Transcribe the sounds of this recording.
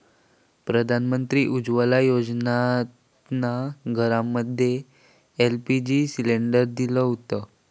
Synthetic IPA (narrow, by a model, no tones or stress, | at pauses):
pɾəd̪ʱanmənt̪ɾiːʔud͡ʑʋəlajod͡znat | naɡʱəɾamːəd̪ʱːje | elpid͡ʑisileɳɖəɾd̪iləɦut̪ə